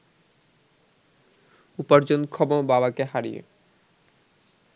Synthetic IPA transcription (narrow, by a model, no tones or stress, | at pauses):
upaɾd͡ʑonkʰɔbobabakeɦaɾḭjḛ